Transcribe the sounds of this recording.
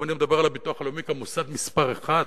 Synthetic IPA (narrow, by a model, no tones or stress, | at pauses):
animd̪abeʁalabit̪uaχalomikamusad̪mispaʁeχad̪